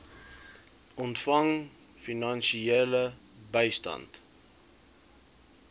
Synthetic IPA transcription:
ɔntfɐŋ | finɐnʃielə | bəjstɐ̰nt

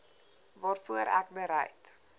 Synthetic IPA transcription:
vɑːrfuəɾʔæ̰k̚bəɾɛ̰jt

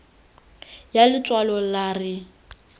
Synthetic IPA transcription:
jalɪt͡sʼwalɔlarɪ

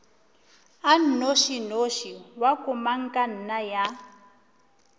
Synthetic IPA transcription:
an̩noʃinoʃiwakʼumaŋ̩kʼan̩naja

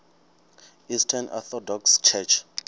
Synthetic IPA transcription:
istʰanʔɔ̰θɔdɔkst͡ʃʰɛt͡ʃʰ

